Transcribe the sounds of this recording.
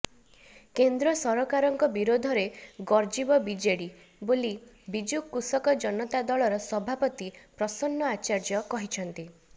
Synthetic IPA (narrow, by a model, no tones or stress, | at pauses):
kend̪ɾɔsɔɾɔkaɾɔŋkɔbiɾod̪ʱɔɾeɡɔɾd͡ʒibɔbid͡ʒeɽi | boli | bid͡ʒukːusɔkɔd͡ʒɔnɔt̪ad̪ɔɭɔɾɔsɔbʱapɔt̪ipɾɔsɔnːɔat͡ʃaɾd͡ʒɔkɔɦit͡ʃʰɔnt̪i